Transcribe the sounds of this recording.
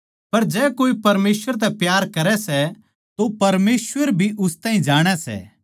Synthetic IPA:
pɐɾd͡ʒɛːkoːipɐɾmeːsʋəɾt̪̬ɛ̃pjaːɾkɐɾɛsɛ | t̪opɐɾmeːsʋəɾbʱiʔʊst̪aːɦĩd͡ʒaːɽ̃ɛsɛ̰

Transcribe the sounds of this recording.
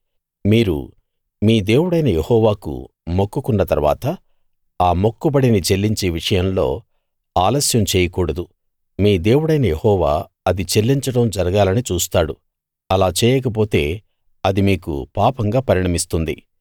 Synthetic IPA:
miːɾṵ | miːd̪e̞ːwuɽɐjnɐjehɔːʋaːkṵ | mokːukunːɐt̪ɐɾʋa̰ːt̪ɐ | aːmo̞kːubɐɽinit͡ʃe̞lːiɲt͡ʃeːʋiʂɐjɐmlo̞̰ː | aːlɐsjɐmt͡ʃeːjɐkuːɽɐd̪u | miːd̪e̞ːwuɽɐjnɐjehɔːʋa̰ː | ɐd̪it͡ʃe̞lːiɲt͡ʃɐɽɐmd͡ʒɐɾɐɡaːlɐnit͡ʃuːst̪aːɽu | ɐlaːt͡ʃɛːjɛːk̬ɐp̬o̞ːt̪e̞ː | ɐd̪imiːkṵpaːpɐŋɡaːpɐɾiɳɐmist̪und̪ḭ

